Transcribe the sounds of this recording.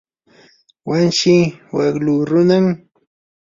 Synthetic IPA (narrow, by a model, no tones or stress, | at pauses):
wanʃiwaɡluɾʊnam